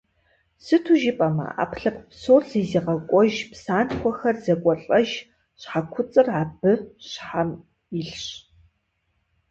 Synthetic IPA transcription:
sɨtʰuʒɪpʼɐmɐ̰a̰ːpʰɬɐpʰpsoːrziːziːqɐkʷʼɔʒpʰsaːnkʷʰɔxɐrzɐkʷʼɔɬʼɐʒ | ɕħakʷʰʊt͡sʼɨraːbɨɕħam | iɬɕ

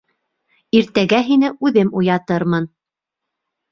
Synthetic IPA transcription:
iɾt̪æɡæɦinɘʉðɘmujɑt̪ɤɾmɤn

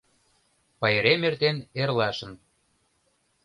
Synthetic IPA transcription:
pɑjeɾemert̪enerlɑʃə̆n

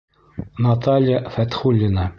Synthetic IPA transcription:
nɑt̪ɑlʲjafæt̪χulʲːinɑ

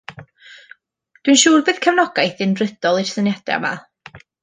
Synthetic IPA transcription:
d̥winʃuːrbɨːð̥kʰəvnɔɡajθɨnrɨd̥ɔlˠir̥sənjad̥ɛ̰ama̰

